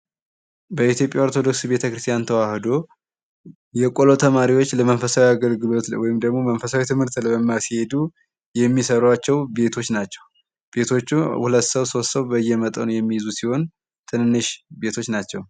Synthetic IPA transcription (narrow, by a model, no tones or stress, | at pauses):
bəit̪ʰjo̞pʼjaot̪ʰo̞d̪o̞ksibe̞t̪ʰəkɾɨst̪ʰjant̪ʰəwahɨd̪o̞ | jɛkʼolot̪ʰəmaɾiwo̞t͡ʃːləmənfəsawiaɡəlɡɨlo̞t̪wɔjɪmd̪əɡmo̞mənfəsawit̪ʰɨmhɨɾt̪ləbəmːasihe̞d̪u | jɛmːisəɾwat͡ʃːɛwbe̞t̪ʰo̞t͡ʃːnat͡ʃːɛw | b̥e̞t̪ʰo̞t͡ʃːuhulət̪ːsəwso̞ssəwbəjːɛmət̪ʼənujɛmːijɪzusiho̞n | t̪ʰɨnɨnːɨʃbe̞t̪ʰo̞t͡ʃːnat͡ʃːɛw